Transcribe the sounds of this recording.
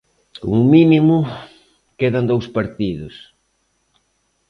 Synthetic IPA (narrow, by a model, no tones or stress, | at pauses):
ko̰mʊminimʊ | keðand̪owspaɾt̪iðʊs